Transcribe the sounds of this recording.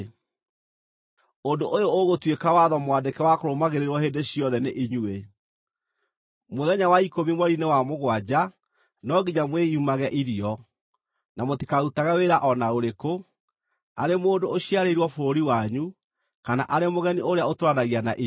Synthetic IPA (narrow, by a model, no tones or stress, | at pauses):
ondoʔojooɣotwekawaðɔmwadekɛwakoɾomaɣeɾeɾwɔɦeːndeɕiɔðɛneʔiɲue | moðɛɲawaikomimwɔɾinewamoɣwad͡ʑa | nɔɡiɲamweiumaɣɛʔiɾiɔ | namotikautaɣaweɾaʔɔnaoɾeko | aɾemoːndooɕiaɾeiɾwɔfoɾoɾiwaɲu | kana̰ʔaɾemoɣɛniʔoɾeaotoɾanaɣianaʔi